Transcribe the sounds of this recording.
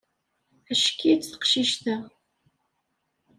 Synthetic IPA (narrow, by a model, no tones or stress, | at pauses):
æʃkːit͡sːθə̥qʃiʃt̪æ